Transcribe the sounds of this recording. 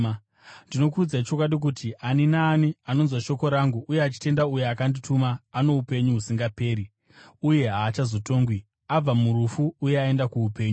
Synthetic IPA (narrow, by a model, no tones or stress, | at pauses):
ndino̞kuud͡zait͡ʃo̞k̬waɗik̬utʰiʔaninaːniano̞nzwaʃo̞ko̞ɾaŋɡuʔujeat͡ʃi̥te̞ndauje̞akanditʰumaːno̞upe̞ɲuɦusiŋɡape̞ːɾi | uje̞ɦaːt͡ʃazo̞to̞ːŋɡwi | ab͡vamuɾufuːje̞ae̞ndakuupe̞ːɲu